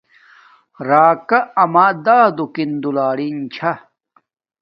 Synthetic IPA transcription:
ɾaːkɐɐmaːd̪aːd̪ukind̪ulaːɽint͡ɕʰa

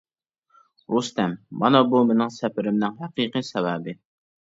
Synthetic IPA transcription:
ɾust̪ɛmːɑnɑbumɪnɪŋsɛpɪɾɪmnɪŋɦæqiqijsɛwæːbɪ

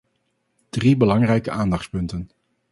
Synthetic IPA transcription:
d̥ribəlɑŋrɛjkəʔaːndɑχtspɵntən

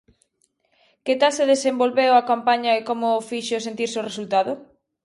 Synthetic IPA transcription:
ket̪alseðesembolβewɐkampaɲɐekomʊfiʃos̬ent̪iɾsoresult̪aðʊ

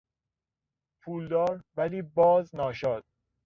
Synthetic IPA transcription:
pʰuːld̪ɒːɾvæliːbɒːznɒːʃɒːd̪̥̚

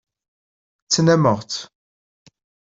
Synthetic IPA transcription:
t͡sːənæməʁt̪

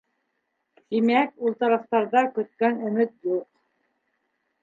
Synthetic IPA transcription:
t̪imækulˠt̪ɑɾɑft̪ɑɾðɑkɵ̆t̪̚kænɵ̆mɘt̪juq̚

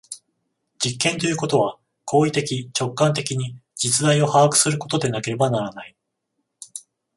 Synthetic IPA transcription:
d͡ʑikːẽ̞nt̪o̞jɯ̟ko̞t̪o̞β̞a | kʰo̞ːit̪e̞kʲit͡ɕo̞kːãnt̪̬e̞kʲiɲ̟id͡ʑit͡sɨd̪aio̞haakɯ̟̥sɨɾɯ̟ko̞t̪o̞d̪e̞nake̞ɾe̞banaɾanai

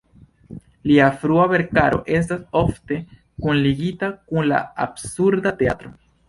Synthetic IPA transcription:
liafɾuave̞ɾkaɾo̞̰ʔe̞s̬taso̞fte̞ | kunliɡitakunla̰a̰bsuɾdatea̰t̪ɾo̞

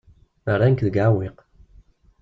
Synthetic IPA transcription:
əɾankðəɡʕawiq

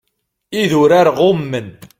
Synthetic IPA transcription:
iðʊɾaɾʁʊmːən

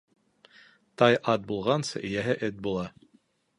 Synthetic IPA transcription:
t̪ɑjʔɑt̪̚bulˠʁɑnsɤ̰ʔɘ̆jæɦɘʔɘt̪̚bulˠɑ

